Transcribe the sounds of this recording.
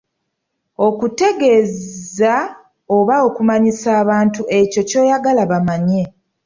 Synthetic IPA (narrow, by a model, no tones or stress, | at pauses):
o̞kute̞ɡe̞za | oβao̞kumaɲisaːβaːntuʔe̞co̞co̞ːjaɡalaβamaɲe̞